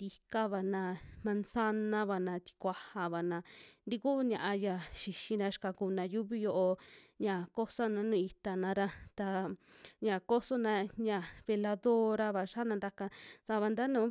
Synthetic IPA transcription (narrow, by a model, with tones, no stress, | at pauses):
d̪i˧ka˦βa˨nã˧mã˧nsa˦nã˦βa˨nã˧t̪i̥˧kʷa˧ha˨βa˨nã˧nd̪i˧ku˦ɲã̰˧ʔa˧ja˨ʃi˨ʃi˧nã˧ʃka˧ku˧˨nã˨˧ju˦βi˧jo˧ʔo˧ɲã˨ko˦sa˦nã˧nũː˦˨i˧t̪a˧nã˧˦ɾa˧t̪a˧ɲã˨ko˦so˦nã˧ɲã˨βe˧la˧ðo˦ɾa˧βa˧ʂa˦nã˧nd̪a˧ka˧sa˧βa˧nd̪a˦nũː˨˦